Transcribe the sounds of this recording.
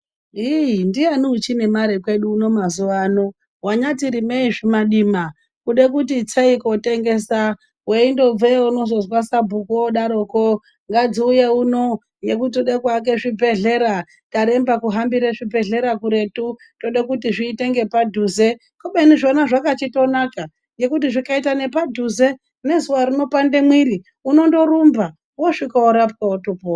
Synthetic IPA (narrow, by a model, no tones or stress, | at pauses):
indijaniut͡ʃine̞maɾekwe̞ɗuːno̞mazuʋaːno̞ | waɲatiɾimeiʐimaɗiːma | kuɗekut̬it͡seiko̞te̞ŋɡe̞ːsa | we̞indo̞b͡veuno̞zo̞zwasabʱukoɗaɾoːko | ŋɡad͡ziuje̞uno̞ | je̞kut̬iuɗekwak̬e̞ʐibʱe̞ɮe̞ɾa | taɾe̞mbakuɦambiɾeʐibʱe̞ɮe̞ɾakuɾe̞tu | to̞ɗakutiʐiːte̞ŋɡe̞padʱuze̞ | koɓeniʐo̞naʐakat͡ʃito̞naka | je̞kut̬iʐikaitane̞padʱuze̞ | ne̞zuwaɾino̞pande̞mwiɾi | uno̞ndo̞ɾumba | woʂikaoɾapkaotupo